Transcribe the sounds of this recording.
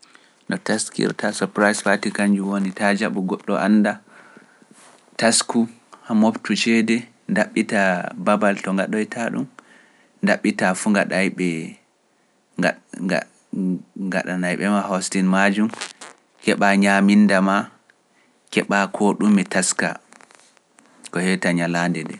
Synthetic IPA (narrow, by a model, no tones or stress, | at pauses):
ɗɔtaskḭɾtʰasɔɾpɾajsfatikand͡ʒuwonitad͡ʒaɓuɡɔɗːɔʔanːda | tasku | hamoptut͡ʃɛdɛ | ndaɓːitababaltɔŋɡaɗɔjtʰaɗṵm | ndaɓːitafuŋɡaɗajɓɛ | ŋɡa̰ɗanajɓɛmahostinmad͡ʒum | kɛɓaɲamindama | kɛɓakʰɔɗumɛtaska̰ | kɔhɛtaɲalandɛdɛ̰